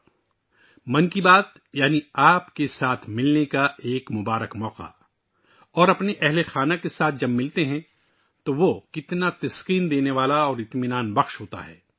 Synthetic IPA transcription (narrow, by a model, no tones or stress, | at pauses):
mɐ̃nkibaːt̪ | jaːniaːpkesaːt̪ʰmɪlnekaeːkmʊbaːɾəkmɔːqa̰ | ɔːɾɐpneʔɛɦlexaːnakesaːt̪̚ʰd͡ʒɐbmɪlt̪eɦɛ̃ | t̪oʋokɪt̪nat̪ɐsqiːnd̪eːneʋaːlaɔːɾɪt̪mɪnaːnbɐxʃɦoːt̪a̰ɦɛ̰ː